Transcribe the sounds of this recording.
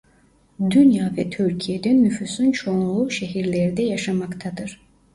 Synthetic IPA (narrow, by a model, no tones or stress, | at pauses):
d̪ynjaːvɛt̪ʰyɾcʰijed̪ɛnːyfysunt͡ʃʰouuʃɛɦiɾlʲɛɾid̪ɛjaʃamakt̪ʰad̪ɯɾ̥